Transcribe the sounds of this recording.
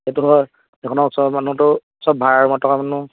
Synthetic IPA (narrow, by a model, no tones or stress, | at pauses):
etuɦɔ | ɛkʰɔnɔksɔbmanutʊ | sɔbʱaɹaɹmɔtʰɔkamanu